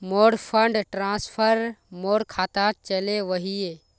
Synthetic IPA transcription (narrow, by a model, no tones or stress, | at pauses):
moːɽpʰəɳɖʈɾãːspʰəɾmoːɽkʰaːt̪aːt͡ʃəleʋəɦie